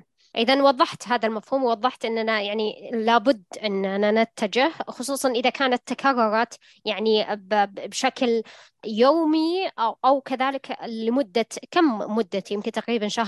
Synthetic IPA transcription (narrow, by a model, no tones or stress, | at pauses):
ʔɪðanwɑðˤːɑħt̪ɦaːðalmafhuːmwwɑðˤːɑħt̪ʔɪnːanajaʕnilaːbʊd̪ːʔɪnːananat̪ʰːad͡ʒɪhxʊsˤuːsˤɑnʔɪðakaːnat̪ːakʰɑrˤːʊɾˤɑ | jaʕnibbʃakl | joːmiʔʔawkaðaːlɪklɪmʊd̪ːakammʊd̪ːat̪jɪmkɪnt̪aqɾiːbanʃah